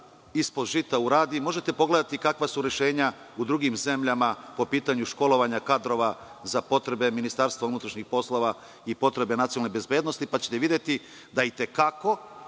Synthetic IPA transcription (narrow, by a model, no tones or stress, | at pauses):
ispo̞d̪ʒit̪auɾaːd̪imo̞ʒet̪e̞po̞ɡle̞d̪at̪ikakʋasuɾje̞ʃe̞ːɲa | ud̪ɾuɡimze̞mʎamapo̞piːt̪aɲuʃko̞lo̞ʋaɲakad̪ɾo̞ʋa | zapo̞t̪ɾe̞be̞minist̪aːɾst̪vaunut̪ɾaʃɲixpo̞slˠo̞ʋa | ipo̞t̪ɾe̞be̞nat̪siolnebe̞zbeːd̪no̞st̪ipat͡ɕet̪eʋid̪je̞t̪i | d̪ait̪e̞kako̞